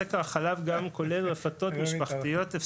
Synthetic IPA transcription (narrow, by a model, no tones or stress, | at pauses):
ekaʁaχalavɡamko̞le̞lʁefat̪o̞t̪miʃpaχtijo̞t̪ef